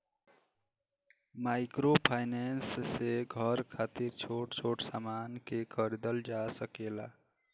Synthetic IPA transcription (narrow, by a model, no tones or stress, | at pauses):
maɪkɾopʰajnensseɡʱəɾkʰat̪iɾt͡ʃʰoʈt͡ʃʰoʈsamankekʰəɾid̪əld͡ʒasəkela̰